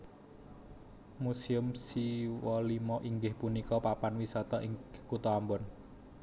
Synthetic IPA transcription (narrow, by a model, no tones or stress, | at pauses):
musiʊmsiwɔlimɔʔiŋɡɪhpunikɔpapanwisɔt̪ɔʔiŋkut̪ɔambɔn